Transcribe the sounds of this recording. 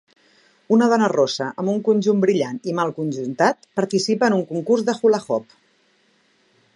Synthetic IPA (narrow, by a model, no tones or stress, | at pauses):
unəðɔnərosəʔəmbuŋkunʲʒumbɾiʎanimalˠkunʲʒunt̪at̪pəɾt̪isipəːnuŋkuŋkurzðəxulaxɔp̚